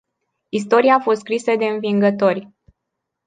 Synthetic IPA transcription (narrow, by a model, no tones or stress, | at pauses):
is̬t̪o̞ɾiaːfo̞st̪skɾisəd̪e̞ɨnviŋɡət̪o̞rʲ